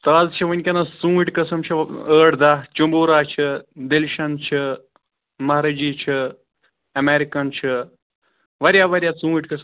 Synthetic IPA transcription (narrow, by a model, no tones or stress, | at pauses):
t̪aːzt͡ʃʰiʋɐnʲkʲɐnɐsũːiʈkɐsɐmt͡ʃʰɐəːɽd̪at͡ʃumboːɾaːt͡ʃʰɨd̪elʃɐnt͡ʃʰɨ | mɐɦɾɐd͡ʒiːt͡ʃʰi | ɐmeːɾikɐnt͡ʃʰi | ʋɐɾʲjaːʋɐɾʲjaːt͡sũːiʈkɐsm